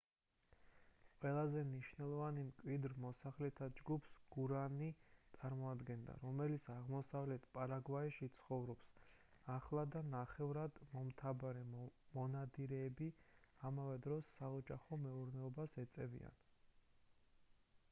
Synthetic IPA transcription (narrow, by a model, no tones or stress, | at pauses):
qʼwɛlˠazɛmniʃvnɛlˠɔvanimkʼwid̪ɾmɔsaχlɛt̪ʰad͡ʒɡupʰsɡ̥uɾanit̪sʼaɾmɔad̪ɡɛnd̪a̰ɾɔmɛlit̪sʰaʁmɔsavlɛt̪ʰpʼaɾaɡvaɛʃit̪sʰχɔvɾɔpsaχlˠad̪anaχɛvɾad̪mɔmt̪ʰabaɾɛmɔnad̪iɾɛːbiamavɛd̪ɾɔsːaɔd͡ʒaχɔmɛuɾnɛɔbasɛt̪sʼɛvḭa̰n